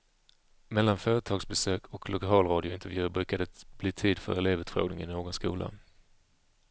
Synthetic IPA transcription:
mɛlːanfœːɾət̪ʰɑːɡsbɛsøːkʰɔklʔʊkʰɑːlɾɑːd̪ɪʊɪnt̪əɾvjʉ̟ːbɾʉ̟ːkad̪əb̥liːt̪ʰiːd̪fœ̰ɾɛleːvʉ̟ːt̪fɾo̰ːɡnɪ̰ŋɪnoːɡɔnskṵːlʔa̰

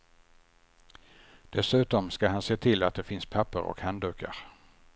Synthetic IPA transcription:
d̪̥ɛsʉ̟ːt̪ɔmskahanseːt̪ʰɪlat̪̚d̪ɛfɪnspʰapːə̰ɾɔ̰khand̪ʉːka̰ɾ

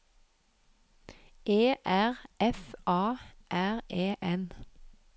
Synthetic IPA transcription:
ʔeːʔæʁɛfʔɑːʔæʁeːʔɛn

